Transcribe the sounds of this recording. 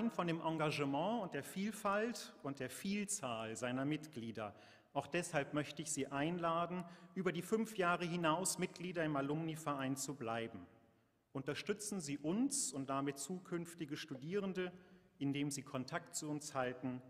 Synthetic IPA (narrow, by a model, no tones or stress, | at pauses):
aɪnfɔndeːmʔaŋɡaʒəmɑ̃ːʊnt̚d̥eːɐfiːlfaltʊntd̥eːɐfiːlt͡saːlzaɪnɐmɪtɡ̥liːdɐ | ʔaʊxd̥ɛshalpmœçtəɪçz̥iːʔaɪnlaːdn̩ʔyːbɐdiːfʏnfjaːʁəɦɪnaʊsmɪt̚ɡ̥liːdɐɪmalʊmnifɛɐʔaɪnt͡sublaɪbm̩ | ʔʊntɐʃtʏt͡sn̩ziːʔʊnsʊnt̚d̥amɪtt͡suːkʰʏnftɪɡəʃtudiːʁəndəʔɪndeːmziːkʰɔntʰaktt͡suʊnshaltn̩